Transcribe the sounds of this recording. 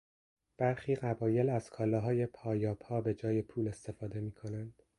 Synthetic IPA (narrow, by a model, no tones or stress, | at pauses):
b̥æɾxiːɢæbɒːje̞læz̥kʰɒːlɒːɦɒːje̞pʰɒːjɒːpʰhɒːbe̞d͡ʒɒːje̞pʰuːle̞st̪e̞fɒːd̪e̞miːkʰo̞nænd̪̥